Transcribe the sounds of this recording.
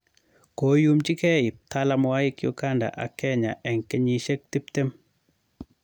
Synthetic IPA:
ko˨˦ju˦mt͡ʃi˦kɛ˦˨ɪ˨p̚t̪ʰa˦la˨mɔ˨wa˦jɪ˦kjo̰˦ka˦nda̰˨ʔa˨kɛ˦ɲa̰˨ʔɛ˨ŋkɛ˦ɲi˨ʃe˦k̚t̪i˦p̚t̪e˦m

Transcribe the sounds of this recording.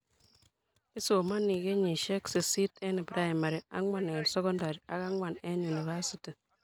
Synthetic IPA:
i˦so˨ma˦ni˨ɡe˦ɲi˨ʃe˦ksi˨si˦tɛ˦ni˨pɾa˦˨ma˨ɾi˨a̰˦ŋwa˨n˨nsɛ˦kɔ˦nda˨ɾi˨a˦ka˦ŋwa˨ne˦nu˨ni˨βa˦si˨ti˨

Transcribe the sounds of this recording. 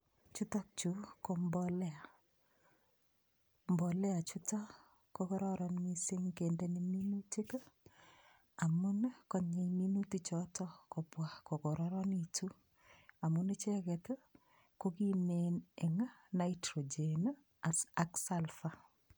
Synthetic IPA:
t͡ʃu˦tɔ˦k̚t͡ʃu˦kombɔlɛ˦a˨ | mbɔ˨lɛ˦a˨t͡ʃutɔ˦ | kːokɔ˦ɾɔ˦ɾɔnmi˦sɪ˦ŋke˨nde˦ni˨mi˦nu˦ti˦k | a˨mʊ˦nkɔ˦ɲe˨mi˦nu˦tit͡ʃɔtɔ˦ko˨pwa˨ko˨ko˨ɾɔɾɔ˦nitu˦ | a˨mune˦t͡ʃɛ˦kɛ˨t | ko˦ki˦me˨ne˨ŋa˦naitɾo˨d͡ʒen | a˨sa˦ksa˦lfa˨

